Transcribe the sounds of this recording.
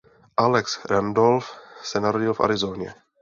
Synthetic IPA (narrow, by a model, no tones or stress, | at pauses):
ʔalɛksɾandolfsɛnaɾoɟɪlfa̰ɾɪzoɲɛ̰